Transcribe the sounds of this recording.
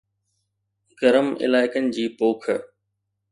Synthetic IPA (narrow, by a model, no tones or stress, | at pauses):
ɡɐɾəmɪ̰laːɪkənɪ̆d͡ʑiːpoːkʰə